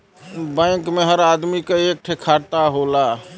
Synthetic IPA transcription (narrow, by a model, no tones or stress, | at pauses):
bə̃ɪkmeɦəɾad̪mikeek̚ʈʰekʰaɾt̪aɦola